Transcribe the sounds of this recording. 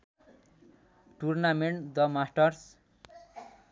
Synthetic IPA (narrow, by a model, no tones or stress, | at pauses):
ʈurnameɳʈd̪ʌmasʈʌrs